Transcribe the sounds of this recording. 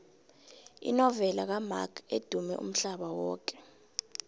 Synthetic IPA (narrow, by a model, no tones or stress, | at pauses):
ḭnɔvɛlak̬ama̰kʰed̥ʱumɛ̰ʔṵm̩ɬaɓawɔːk̬ʼɛ̥